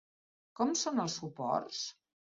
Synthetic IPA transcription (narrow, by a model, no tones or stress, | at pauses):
kɔmsonəlˠsːupɔ̰rs